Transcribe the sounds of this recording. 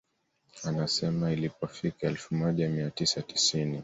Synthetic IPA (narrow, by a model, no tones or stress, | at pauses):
anasɛmailipɔfikaɛlfumɔʄamiatisati̥sini